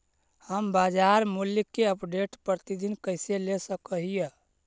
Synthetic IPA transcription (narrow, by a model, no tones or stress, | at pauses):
həmbad͡ʒaɾmulikːeəpɖeʈpɾət̪id̪inkəɪselesəkəɦijə